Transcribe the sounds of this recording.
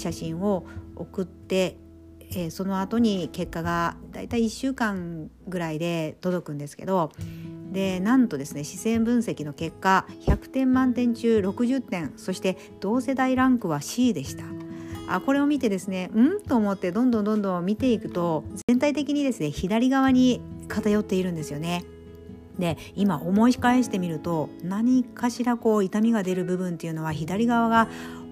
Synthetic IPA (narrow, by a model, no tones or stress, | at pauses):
ɕaɕĩɰ̃o̞okɯ̟t̪ːe̞ | so̞no̞at̪o̞ɲ̟ike̞kːaɡad̪̥a̰it̪aiːɕːɨːkãŋ | ɡɯ̟ɾaid̪e̞t̪o̞d̪o̞kɯ̟̃nd̪e̞sɨ̥ke̞d̪o̞d̪e̞nãnt̪o̞d̪e̞sɨne̞ɕi̥sẽ̞mbɯ̟̃ɰ̃se̞kʲino̞ke̞kːaçakɯ̟̥t̪ẽ̞mːãnt̪ẽ̞ɲ̟t͡ɕɨːɾo̞kɯ̟ʑɨt̪ːẽ̞ɰ̃so̞ɕi̥t̪e̞ | d̪̥o̞ːse̞d̪aiɾãŋkɯ̟βaɕiːd̪e̞ɕi̥t̪ḁa̰ko̞ɾe̞o̞mʲit̪e̞d̪e̞sɨne̞ɯ̟̃ɴt̪o̞ːmot̪ːe̞d̪õ̞nd̪õ̞nd̪õ̞nd̪õ̞mmʲit̪e̞ikɯ̟̥t̪o̞zẽ̞nt̪ait̪e̞kʲiɲ̟id̪e̞sɨne̞çid̪aɾʲiɡaβ̞aɲ̟ikat̪ajo̞t̪ːe̞iɾɯ̟nd̪e̞sɨjo̞ne̞ | d̪e̞ | imaʔomo̞ikae̞ɕi̥t̪e̞mʲiɾɯ̟t̪o̞naɲ̟ikaɕiɾako̞ːit̪amʲiɡad̪e̞ɾɯ̟bɯ̟bɯ̟̃nt̪e̞jɯ̟no̞β̞açid̪aɾʲiɡaβ̞aɡa